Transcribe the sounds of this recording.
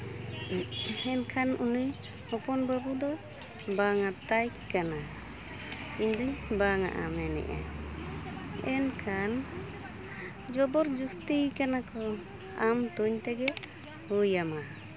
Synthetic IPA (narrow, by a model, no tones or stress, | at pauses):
ɛnkʰanunuj | hɔpɔnbabud̪ɔ | baŋat̪aj | kːana | kiɲd̪ubaŋa̰ʔa̰mɛnɛ̰ʔa̰ | ɛnkʰan | d͡ʒɔbɔɾd͡ʒust̪ijkanakɔ | amt̪uɲt̪ɛɡɛ | hujama